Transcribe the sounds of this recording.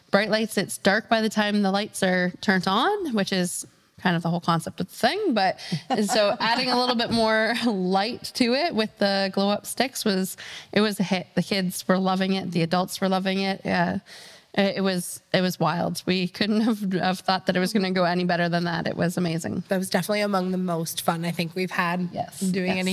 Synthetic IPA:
b̥ɹaɪʔˡlaɪtsɨtsd̥ɑɹk̚b̥aɪðɨtʰãɪ̃mðəlaɪtsə˞tʰɜ̃˞ntn̩wɨt͡ʃɪz̥ | kʰãɪ̃ndʌvðəholˠkʰɑ̃nsɛp̚tʌvðəθɪ̃ŋbʌt̚soʊʔæɾɪ̃ŋəlɪɾl̩ˠbɪt̚mɔɹlaɪtʰɨɪt̚wɨðəɡloʊʌpstɪkswʌz̥ʔɨt̚wʌzɨhɪt̚ðɨkʰɪdz̥wə˞lʌvɪ̃ŋɪt̪̚ðiɨdʌlˠtswə˞lʌvɪ̃ŋɪt̚ʌʔɪt̚wʌz̥ɨt̚wʌzwaɪlˠdwikʰʊdⁿn̩t̚həvəv̥θɔt̪̚ðɨɾɨt̚wʌzɡʌnɨɡoʊɛnibɛɾə˞ðə̃nðə̰ɾɨ̰ʔ̚wʔʌzɨmeɪzɪ̰̃ŋðɨt̚wʌzdɛfənətˡliəmʌ̃ŋðəmoʊstfʌ̃naɪθɪ̃ŋkwiv̥əd̚jɛ̰sʉɪ̃ŋɛni

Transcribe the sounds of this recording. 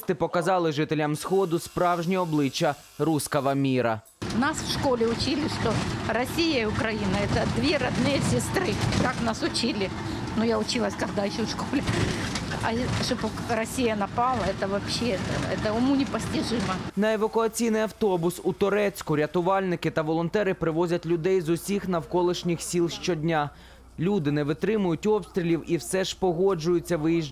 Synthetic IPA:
st̪ɪpɔkɐzɑlˠɪʐɪt̪elʲamsxɔd̪ʊspɾɑwʒnʲiɔblˠɪt͡ʃːɐ | ɾuskɐʋɐmʲiɾɐ̰ | nasfʂkolʲɪʊt͡ɕilʲɪʂt̪orɐsʲijɐiʊkɾɐjinɐɛt̪ɐd̪vʲeɾɐd̪nɨjɐsʲɪst̪ɾɨkaknasʊt͡ɕilʲɪ | nʊjaʊt͡ɕilˠɐsʲkɐɣd̪aɪɕːofʂkolʲɪ | ɐ̰ʂop | ɾɐsʲijɐnɐpɑlˠɐɛt̪ɐʋɐpɕet̪ɛ̰t̪ɐʊmunʲɪpɐsʲtʲɪʐɨmɐnɐeʋɐkʊɐt͡sʲijnɪjɐwt̪ɔbʊsut̪ɔɾɛt͡sʲkʊɾʲɐt̪ʊʋɑlʲnɪkɪt̪ɐʋɔlˠɔnt̪ɛɾɪpɾɪʋɔzʲɐtʲlʲʊd̪ɛjzʊsʲixnɐwkɔlˠɪʃnʲɪxsʲilˠʃt͡ʃɔdʲnʲa | lʲud̪ɪnɛʋɪt̪ɾɪmʊjʊtʲɔpst̪ɾʲɪlʲiwiwsɛʒ̥pɔɦɔd͡ʒʊjʊt͡sʲːɐʋɪjiʒ

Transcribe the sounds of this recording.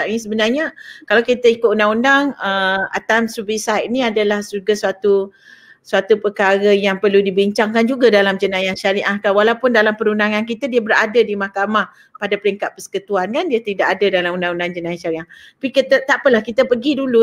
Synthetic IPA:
aʔnisəbənarɲakalawkit̪əikʊt̪̚undaŋundaŋəa̰t̪amsubisanĩadalahsuɡasuat̪u | suat̪upəkaɾəjaŋpərludibiɲt͡ʃaŋkand͡ʒuɡadalamd͡ʒənajanʃaɾiʔahkawalawpʊndalampəɾundaŋank̬it̪adiəbəɾa̰dədimahkamah | padapəɾiŋkat̪̚pəsə̥kut̪uankandiat̪idaʔadadalamundaŋundaŋd͡ʒənajaʃaɾiʔah̪apikit̪ət̪aʔpəlahkit̪əpəɡidulu

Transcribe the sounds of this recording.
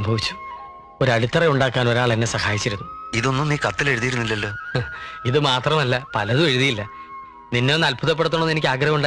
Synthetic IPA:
mbʱɐʋit͡ɕːu̥ | o̞ɾɐɽit̪ːɐreuɳɖaːkːaːno̞ɾaːɭt̪ɐnːe̞sɐhaːjit͡ɕːiɾunːuiðo̞nːumniːkɐt̪ːile̞ɻuðijiɾunːilːɐlːo̞ːiðɨmaːt̪rɐmɐlːɐpɐlɐðume̞ɻuðijilːɐ | ninːenːɐlpuðɐpːeɽut̪ːuɳonːenikʲːaːɡɾɐhɐmuɳɖa

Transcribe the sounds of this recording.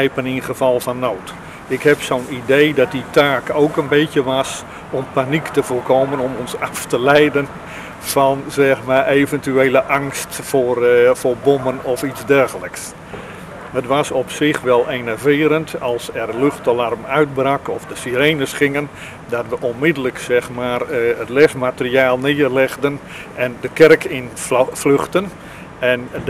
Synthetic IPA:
ɛjpəninχəv̥ɑlˠvɔnːoːt | ɪkhɛpsoːnidejdɑt̚ditʰaːkoːkənbeːtjəʋɑs | ɔmpaniktəvoːrkʰoːmənɔmɔnsaftəlɛjdən | fɑnzɛxmarʔeːvəntyeːlˠəʔaŋstforfoːrbɔmənɔfitzdɛrɣələks | hətʋasɔpsɪxʋɛlˠʔeːnəvɪːɾəntʰɑlˠsɛrløxtəlarmœɥt̚brakɔfdəsiɾeːnəsχɪŋən | dɔtʋəʔonmɪdələksɛxmaːrətlɛfmatəriaːlˠnɪərlɛɣdən | ɛndəkɛrkʰɪnfløxtən | ɛn

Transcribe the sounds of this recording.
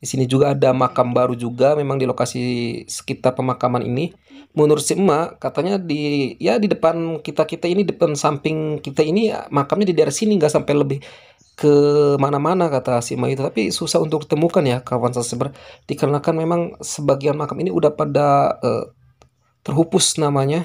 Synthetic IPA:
disinid͡ʒuɡaːdamakambaɾud͡ʒuɡamemaŋdilokasisə̥kit̪arpəmakamanḭni | munʊrsiəmːakat̪aɲadijadidəpankit̪akit̪ainidəpansampɪŋkit̪ainimakamɲadidaɪɾasiniŋɡaʔsampajləbɪh | kʰəmanamanakat̪asiəmːait̪ut̪apisusaunt̪ʊk̚ə̥t̪əmukanjakawansasəbərd̥ikəɾnakanmemaŋsəbaɡianmakaminiṵdahpadaə̰ | t̪ərɦupʊsnamaɲa

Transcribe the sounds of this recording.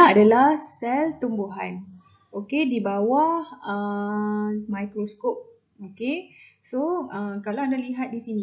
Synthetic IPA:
adalahsɛlt̪umbuɦa̰n | okedibawahə | majkɾoskop̚ | okesoəkalaandaliɦat̪̚disinĩ

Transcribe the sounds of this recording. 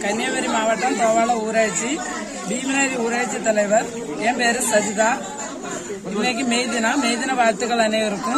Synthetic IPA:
kɐnjɐːʋɐɾimaːʋɐʈːɐmt̪oːʋaːlɐuːɾaːɽt͡ʃːi | biːmɪnaːɾiuːɾaːt͡ʃːit̪ɐlɐɪʋɐɾ | eːmpeːɾɯsɐd͡ʒit̪aː | ɪnːɐk̬ːimejðinameːjðɪnɐʋaːɻt̪ɯɣɐɭɐneːɪɾɯkːʊ̃

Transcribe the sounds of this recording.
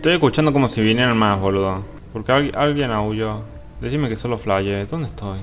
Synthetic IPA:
et̪ojekut͡ʃand̪oko̞mosiβinjeɾanmaβoloðo | poɾkeaʔalɣjenauʝo | d̪esiɾmekesonlosflaʝeðond̪ehst̪oj

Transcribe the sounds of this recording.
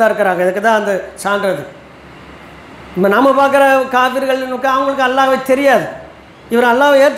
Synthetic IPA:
ãːɪɾɯkːɪɾaːŋɡɐɪðɯkːɯt̪ãːɐnd̪ɐsaːɳɖɾɐðɯ | mɐnɐmːɐpaːɾkɪɾɐkaːfiɾɣɐɭnkːɯɐʋɐŋɡɐɭɯk̬ːɯɐlːaːɣɐʋet̪ɛɾɪjaːðɯ | ɪʋɐɾɐlːaːʋeːɾt̪ː

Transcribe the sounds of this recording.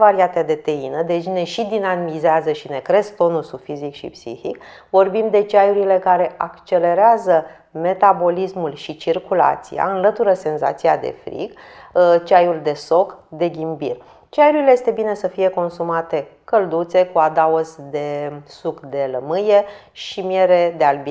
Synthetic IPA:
vaɾiat̪ed̪e̞t̪einəd̪e̞t͡ʃne̞ʃid̪inamizeazəʃine̞kɾe̞st̪o̞nulsufizikʃḭpsḭhik | vo̞rbimd̪e̞t͡ʃajuɾile̞kaɾe̞ʔakt͡ʃe̞le̞ɾeazə | me̞t̪abo̞lismulʃit͡ʃirkula̰t̪sḭja̰ɨnlət̪uɾəse̞nza̰t̪siad̪e̞̰fɾḭɡt͡ʃajuld̪e̞so̞kd̪e̞ɡʲimbir | t͡ʃajuɾileje̞st̪e̞bine̞səfije̞ko̞nsumat̪e̞kəld̪ut̪se̞kuad̪aozd̪e̞sukd̪e̞ləmɨje̞ | ʃimje̞ɾe̞d̪ealbi

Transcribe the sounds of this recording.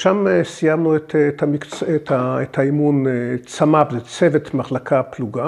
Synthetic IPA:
ʃamesijamnuet̪tamikt͡setaet̪haimunet͡samabzet͡sevet̪maχlakʰapluɡa

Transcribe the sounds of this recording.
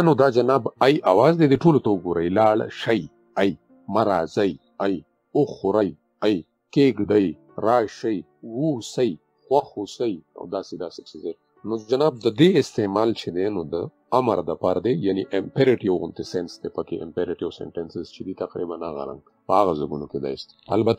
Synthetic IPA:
nod̪ad͡ʒanaːbajʔawaːzd̪ed̪eʈolot̪aʊɡoɾajlaːɭʃaj | aj | maɾazaj | aj | ʊxoɾaj | aj | keɡɖ̪aj | ɾaːʃaj | wusaj | xwaxusaja̰wd̪aːsed̪aːset͡ʃʰeze | nod͡ʒanaːb̚d̪əd̪eɪst̪emɑːlt͡ʃʰed̪enod̪ə | aməɾd̪əpaːɾad̪ejaniʔɪmpeɾɪʈiwɣʊnt̪esensd̪epəkeʔɪ̰mpeɾɪʈiasḛɳʈensɪzt͡ʃʰed̪it̪aqɾḭbana̰ɣa̰ɾa̰ŋɡ | pəaɣazaɡunoked̪a̰ɪst̪a̰lbat̪a

